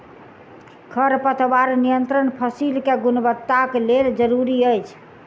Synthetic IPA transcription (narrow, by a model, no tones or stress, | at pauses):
kʰəɾpət̪ʰbaɾnijənt̪ɾənpʰəsilkeɡunbət̪ːakeleld͡ʒəɾuɾiəjt͡ʃʰ